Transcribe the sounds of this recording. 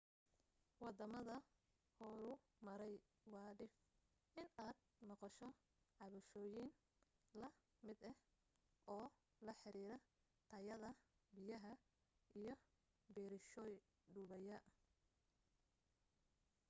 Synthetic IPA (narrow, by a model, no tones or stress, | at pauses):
wɑd̪ɐmɐðɐ | hɔɾʊ | mɐɾɛj | wɑːɖɪf | ɪnaːd̪̚ | nɔqɑʃɔ | ʕɑβɐʃɔːjɪn | lɐ | mɪd̪ɛh | ʔɔː | lɐħɪɾiːɾɐ | t̪ʰɐjɐðɐbɪjɐɦɐ | ʔijɞ | bɛːɾɪʃɔːj | ɖʊːβɐjɐ